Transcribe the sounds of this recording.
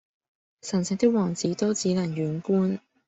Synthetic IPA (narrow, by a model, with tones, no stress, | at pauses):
sɐ˨˩nsɪ˨˧ŋt̪ɪ˥k̚wɔː˨˩ŋt͡siː˨˥t̪ɔː˥t͡siː˨˥naː˨˩ŋɥyː˨˧˥nkuː˥n